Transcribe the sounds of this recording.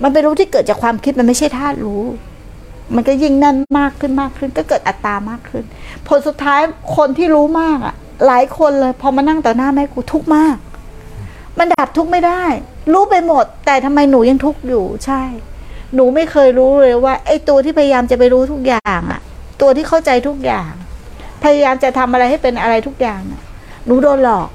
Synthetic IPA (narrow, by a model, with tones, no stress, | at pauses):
ma˧np̬e˧nɾuː˦˥t̪ʰiː˥˩kɤː˨˩t̪̚t͡ɕa˨˩kʰwaː˧mkʰi˦˥t̪̚m˧nma˥˩jt͡ɕʰa˥˩jt̪ʰaː˥˩t̪̚ɾuː˦˥ | ma˧nkɔ˥˩ji˥˩ŋna˥˩nmaː˥˩kʰːɯ˥˩nmaː˥˩kʰːɯ˥˩nkɔː˥˩kɤː˨˩t̪ʔa˨˩t̪ːaː˧maː˥˩kʰːɯ˥˩npʰo˨˩˦nsu˨˩t̪ʰːaː˦˥jkʰo˧nt̪ʰiː˥˩ɾuː˦˥maː˥˩k̚ʔa̰˨˩ | laː˩˦jkʰo˧nlɤː˧jpʰɔ˧ma˧nːa˥˩ŋt̪ɔː˨˩naː˥˩ma˦˥˩jkʰuː˧˩t̪ʰu˦˥k̚maː˥˩k̚ | ma˧ndaː˨˩p̚t̪ʰu˦˥k̚ma˥˩jda˥˩jɾuː˦˥pa˧jmo˨˩t̪ːɛː˨˩t̪ʰa˧mːa˧jnuː˩˦ja˧ŋt̪ʰu˦˥k̚juː˨˩t͡ɕʰa˥˩jnuː˩˦ma˥˩jkʰɤː˧jɾuː˦˥ɾoː˧waː˥˩ʔa˥˩jt̪u˧ɐt̪ʰiː˥˩pʰa˧ja˧jaː˧mt͡ɕa˨˩pa˧jɾuː˦˥t̪ʰu˦˥k̚jaː˨˩ŋʔa̰˨˩t̪u˧ɐt̪ʰiː˥˩kʰa˥˩wt͡ɕa˧jt̪ʰu˦˥k̚jaː˨˩ŋpʰa˧ja˧jaː˧mt͡ɕa˨˩t̪ʰa˧mʔa˧ɾa˧jha˥˩jpe˧nʔa˧ɾa˧jt̪ʰu˦˥k̚jaː˨˩ŋa̰˨˩ | nuː˩˦doː˧nlɔː˨˩k̚